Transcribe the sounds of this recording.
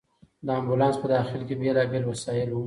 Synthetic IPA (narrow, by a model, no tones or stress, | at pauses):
d̪əambulɑnspəd̪ɑxɪlkebjalɑɡəlwasɑjɪlu